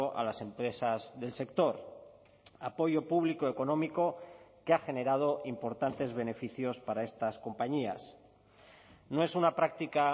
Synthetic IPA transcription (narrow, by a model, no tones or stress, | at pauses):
oʔa̰lase̞mpɾe̞sazðe̞lse̞k̚t̪o̞ɾ | apo̞ʝo̞puβ̞likoeko̞nõ̞miko̞keaxe̞ne̞ɾað̞o̞ʔimpo̞ɾt̪ant̪e̞zβ̞e̞ne̞fiθjo̞spaɾae̞st̪asko̞mpaɲia̰s | noe̞sunapɾak̚t̪ika